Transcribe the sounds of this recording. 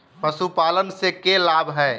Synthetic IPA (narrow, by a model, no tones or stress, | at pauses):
pəsupalənsekelabʱɦɛː